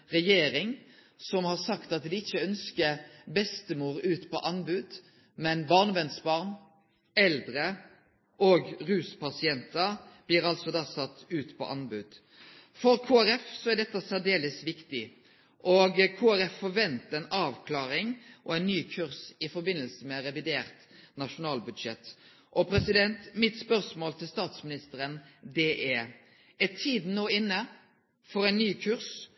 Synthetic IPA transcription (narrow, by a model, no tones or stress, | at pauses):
ʁɛjeːɾɪŋ | sɔmhɑʁsɑkt̪ɑt̪d̪ɪɪçːəœnskəbɛst̪əmuːɾʉːt̪pʰɔ̰ʔɑnbʉd̪̥ | mɛnbɑːʁnʋɛnsbɑːʁn | ɛld̪ɾə | ʔoːɡʁʉːspɑsɪɛnt̪əɾb̥lɪɾɑlsɔd̪ɑːsɑt̪ːʉːt̪pʰɔ̰ʔɑnbʉd̪̥ | fɔɾkʰoːæɾɛfsɔæd̪ɛt̪ːəsæd̪eːləsʋɪkt̪ɪ | ʔɔɡkʰoːæɾɛfːɔɾʋɛnt̪əæɪnɑːʋkʰlɑːɾɪŋʔɔæɪnːyːkʰʉʁsɪfɔɾbɪnːəlsəmɛɾɛʋɪd̪eːʁt̪nɑʂʊnɑːlbʉd̪ʂɛt̪ː | ʔɔpʰɾɛsɪd̪ɛnt̪mɪt̪spœɾsmoːlt̪ʰɪlst̪ɑːt̪smɪnɪst̪əɾənd̪ɛʔɛɾ | ɛt̪ʰiːd̪noːɪnːə | fɔɾæɪnnːyːkʰʉɾs